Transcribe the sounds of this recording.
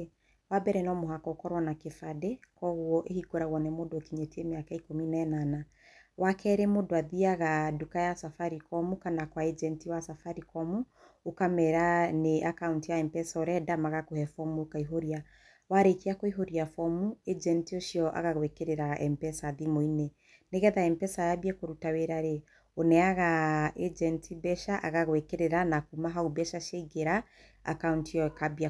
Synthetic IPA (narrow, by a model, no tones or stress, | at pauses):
wabɛɾɛnɔmoɦakɔokɔɾwɔnakefadɛkɔɣwɔʔehiɡoɾaɣwɔnɛmodokiɲetiemeakaikominanana | wakʰɛɾemodoaðiaɣadukajasafaɾikɔmukanakwaed͡ʒɛntiwasafaɾikɔmu | okamɛɾaneʔakauntijaɛmpɛsɔɾɛdamaɣakohɛfɔmuokaiɦoɾia | waɾekeakoiɦoɾiafɔmued͡ʒɛntioʃiɔʔa̰ɣaɣwɛkeɾeɾaɛ̰mpɛsaðimoinɛ | neɣɛðaɛmpɛsajabiakoɾutaweɾaɾe | onɛaɣaed͡ʒɛntʰibɛʃaʔa̰ɣaɣwɛkeɾeɾanakumaɦaubɛʃaʃaiɡeɾa | a̰kauntiɔkabia